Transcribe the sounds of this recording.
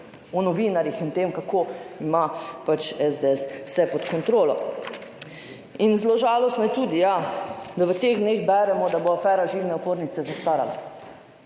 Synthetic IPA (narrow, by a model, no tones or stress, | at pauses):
ɔnɔʋiːnaɾjixint̪emkakoimapat͡ʃɛzd̪eɛswsɛpɔt̪kɔnt̪ɾoːlɔ̰ | inzloʒaːlɔst̪nɔjɛt̪uːd̪ijad̪aʋət̪eɣd̪neːɣbɛɾɛmɔd̪aboafɛːɾaʒiwnɛɔpoːɾnit̪sɛzast̪aːɾa̰la̰